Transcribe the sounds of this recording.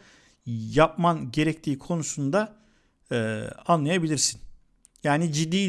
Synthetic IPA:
jap̚manɟe̞ɾɛct̪ʰiːkʰo̞nusund̪aː | anlˠajabilʲiɾsin | jaːnid͡ʒid̪ːiː

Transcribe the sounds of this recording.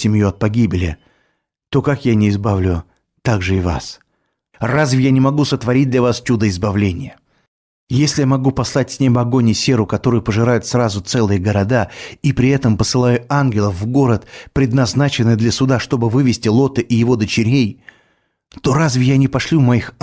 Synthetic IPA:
sʲɪmʲjuɐt̪̚pɐɡʲibʲɪlʲɪ̰ | t̪o̞kakjanʲɪːzbavlʲʊ | t̪aɡʐɨɪva̰s | razvʲɪjanʲɪmɐɡusət̪vɐɾʲit̚ʲd̪lʲɐvast͡ʃud̪əɪzbɐvlʲenʲɪ̰jə | jesʲlʲɪjamɐɡupɐslˠat̚ʲsʲnʲebəɐɡo̞nʲɪsʲe̞ɾʊkɐt̪o̞ɾʊjʊpəʐɨɾajʊt̪srazʊt̪sɛlˠɨjəɡəɾɐd̪aipɾʲɪɛt̪əmpəsɨlˠajʊanɡʲɪlˠəfvːɡo̞ɾət̪pɾʲɪd̪nɐznat͡ɕɪnːɨjd̪lʲɐsʊd̪aʂt̪o̞bɨvɨvʲɪsʲtʲɪlˠo̞t̪ɨʔɪjɪvo̞d̪ət͡ɕɪɾʲej | t̪o̞ɾazvʲɪjanʲɪpɐʂlʲumɐix

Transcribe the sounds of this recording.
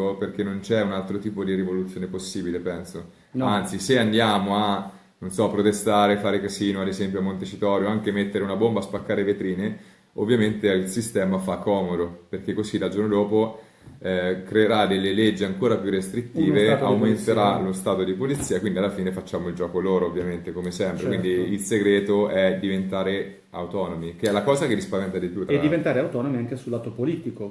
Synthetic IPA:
operk̟enːont͡ʃɛunalt̪ɾot̪iːpod̪iɾivolut̪sjoːneposːiːbilepɛnso | ant̪siseand̪jaːmoa | nonsɔapːɾot̪est̪aːɾefaːɾekasiːnoad̪ezɛmpjoamːont̪et͡ʃit̪ɔːɾjoaŋkemet̪ːeɾeunabombaːspakːaːɾevet̪ɾiːne | ovːjament̪eilsist̪ɛːmafakʰːɔːmod̪operk̟ekːozilad͡ʒornod̪oːpo | ɛkɾeːɾad̪elːeled͡ʒːiaŋkoːɾapjurːest̪ɾit̪ːiːveawment̪eɾalost̪aːt̪od̪ipolit̪sːiːakwind̪ialːafiːnefat͡ʃːaːmoild͡ʒɔːkoloːɾoovːjament̪ekomesɛmpɾekkwind̪iilseɡɾeːt̪oɛd̪ivent̪aːɾe | a̰wt̪ɔːnomikeɛlːakɔːzakerːispavɛnt̪ad̪ipjut̪ːdd̪ivent̪aːɾeawt̪ɔːnomiaŋkesulːat̪opoliːt̪iko

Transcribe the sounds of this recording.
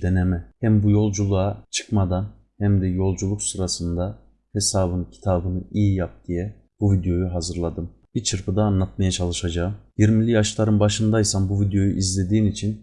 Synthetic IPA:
d̪enemɛhæmbujo̞lˠd͡ʒulˠuat͡ʃʰɯ̥kmad̪an | hæmd̪ɛjo̞lˠd͡ʒulˠuksɯɾasɯnd̪a | he̞saːβɯncʰi̥t̪ʰaːbɯnɯijijap̚d̪̥ijɛ | b̥uvid̪jo̞juɦazɯɾlˠad̪ɯm | b̥it͡ʃʰɯɾpɯd̪aːnlˠat̪majat͡ʃʰalˠɯʃad͡ʒaːɯmjiɾmilʲijaʃlˠaɾɯnbaʃɯnd̪ajsanbuvid̪jo̞juʔizlʲe̞d̪iːnit͡ʃʰin

